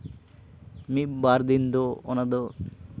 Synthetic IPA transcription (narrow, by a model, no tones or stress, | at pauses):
mibaɾd̪ind̪oo̰nad̪o